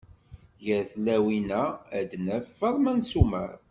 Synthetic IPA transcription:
ʝəɾθlæwinææd̪næfːəðˤmænsumə̰ɾ

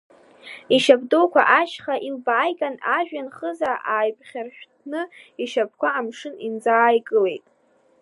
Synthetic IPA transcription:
iʃabdokʷʰa̰ʔaʃχaʔilbaːjɡʼanaʒᶣanχəzaʔaːjpʼχʲarʃᶣtʰnɨiʃap̚ʰkʷʰaːmʂɨnind͡zaːjɡʼɨle̞jtʼ

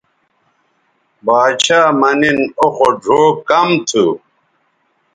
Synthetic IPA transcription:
baːt͡ɕʰaːmɐninoxoɖʱoːkɐmt̪ʰu

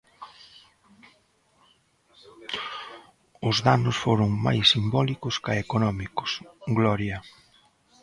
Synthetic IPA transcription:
ʊzðanʊsfoɾʊŋma̰jsːimbɔlikʊskaekonɔmikʊ̥sɡlɔɾjɐ

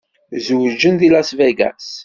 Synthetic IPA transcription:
zwd͡ʒənðilæsvæɡæ̰s

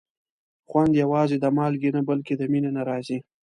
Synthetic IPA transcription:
xwand̪jawɑzed̪amɑlɡinabalked̪əminenaɾɑzi

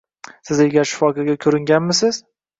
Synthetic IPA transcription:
sɪzeɡʲaɾʃɪ̥fɒkɒɡʲakʲʰɵɾɪŋɡʲanmɪsɪz̥

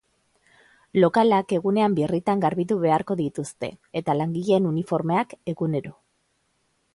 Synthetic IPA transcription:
lo̞kalake̞ɣune̞ambirit̪aŋɡaɾβit̪̬uβe̞aɾko̞ðit̪ust̪e̞̰et̪alaŋɡiʎe̞nunifo̞ɾme̞ake̞ɣune̞ɾo

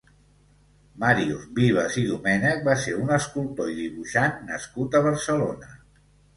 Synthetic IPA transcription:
maɾiubiβ̞əziðumɛnək̚baseɾunəskulˠt̪oiðiβuʃanːə̰skut̪əβ̞əɾsəlonə

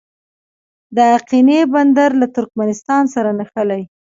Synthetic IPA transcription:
d̪əaqineband̪aɾlat̪ʊɾkmanɪst̪ɑnsaɾanaxəlaj

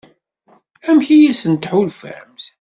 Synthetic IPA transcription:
æmçijæsənt̪ħulfæ̰ɾmθ

